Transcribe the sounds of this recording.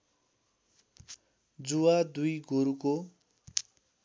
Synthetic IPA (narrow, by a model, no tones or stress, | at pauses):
d͡zuwad̪ujɡoɾuko